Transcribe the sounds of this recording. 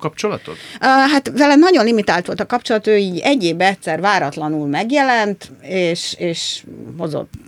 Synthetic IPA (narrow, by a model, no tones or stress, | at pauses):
kɒp̚t͡ʃo̞lɒ̰t̪ot̪ːɦat̪vɛlɛnɒɟo̞nlimit̪aːlt̪ʋo̞lt̪ɒkɒpt͡ʃo̞lɒt̪øːiːɟɛɟːeːbɛtsɛrvaːɾɒt̪lɒnulmɛɡjɛlɛnt̪eːʃeːʃho̞zo̰t̪ː